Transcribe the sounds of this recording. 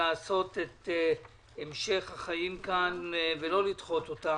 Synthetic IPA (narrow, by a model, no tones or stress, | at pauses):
aːso̞tet | emʃe̞χhaχajimkanvelo̞litχo̞t̪o̞ta